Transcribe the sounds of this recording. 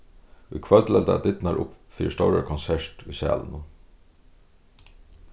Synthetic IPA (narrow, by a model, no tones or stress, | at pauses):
ʊjkʰvœlt̪lɛlt̪a̰t̪ɪt̪naɾʔʊ̰pfḭːɾɪʂt̪ɔwɾa̰kʰɔnsɛɹt̪ʊjsæ̰ːlənʊ